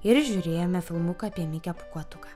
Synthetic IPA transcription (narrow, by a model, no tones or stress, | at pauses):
ɪɾʒʲuːɾʲeːjomʲɛfʲɪlˠmʊkɐɐpʲiɛmʲɪkʲɛpʊ̥kuɔt̪ʊkɐ